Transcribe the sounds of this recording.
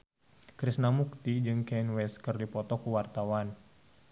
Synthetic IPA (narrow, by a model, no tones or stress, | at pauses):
kɾisnamuk̚t̪id͡ʒɨŋkɛnwɛskərdipɔt̪ɔkuwart̪awan